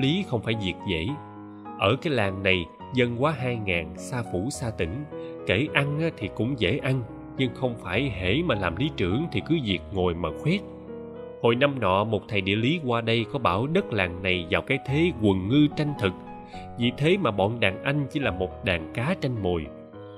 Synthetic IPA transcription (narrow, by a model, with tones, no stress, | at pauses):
li˨˦xə˧wŋ͡mfaː˧˩jzi˨˩ək̚zḛ˧˥ | ʔəː˧˩kaː˨˦jlaː˨˩ŋna˨˩j | zə˧nkwaː˨˦ɦaː˧jŋaː˨˩nsaː˧fu˧˩saː˧t̪ï˧˩ŋ̟ke˧˩ʔa˧ŋaː˨˦t̪ʰi˨˩kʊ̰˧˥ŋ͡mzḛ˧˥ʔa˧ŋ | ɲɨ˧ŋxə˧wŋ͡mfaː˧˩jhḛ˧˩˥maː˨˩laː˨˩mli˨˦t͡ɕɨ˧˩əŋt̪ʰi˨˩kɨ˨˦zi˨˩ək̚ŋo˨˩jmaː˨˩xwɛ˦˥t̚ | ho̰˧˨jna˧mnɔ̰˧˨mo˨˩t̚t̪ʰa˨˩jɗḭ˧˨əli˨˦kwaː˧ɗə˧jkɔ˨˦ɓaː˧˩wɗə˦˥t̚laː˨˩ŋna˨˩jzaː˨˩wkaː˨˦jt̪ʰe˨˦kwə˨˩ŋːɨ˧t͡ɕa˧jŋ̟t̪ʰɨ˨˩k̚ | vḭ˧˨t̪ʰe˨˦maː˨˩ɓɔ̰˧˨nɗaː˨˩ŋʔa˧jŋ̟t͡ɕi˧˦laː˨˩mo˨˩t̚ɗaː˨˩ŋkaː˨˦t͡ɕa˧jŋ̟mo˨˩j